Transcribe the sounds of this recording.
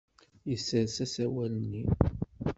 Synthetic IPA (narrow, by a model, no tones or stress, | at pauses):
jəsːəɾsæsæwælənːi